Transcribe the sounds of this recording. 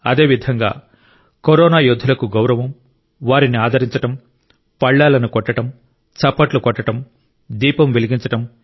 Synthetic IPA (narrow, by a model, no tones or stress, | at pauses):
ɐd̪e̞ːʋid̪ʱɐŋɡa̰ː | koɾɔːnaːjod̪ʱːulɐkuɡɐwɾɐʋɐm | ʋaːɾiniaːd̪ʱɐɾiɲt͡ʃɐʈɐm | pɐɭːaːlɐnukɔʈːɐʈɐm | t͡ʃɐpːɐʈlukɔʈːɐʈɐm | d̪iːpɐmʋeliɡiɲt͡ʃɐʈɐm